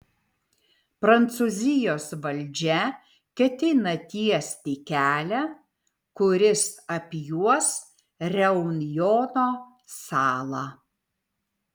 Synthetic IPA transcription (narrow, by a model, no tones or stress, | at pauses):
pɾɐnt̪suːzʲɪjoːsʋɐlʲd͡ʒʲɛ | kʲɛt̪ʲɪnɐt̪ʲiɛsʲt̪ʲikʲæːlʲæ | kʊɾʲɪsɐpʲjuɔs | ɾʲɛʊnʲjoɔːnoː | sɑːlˠɑ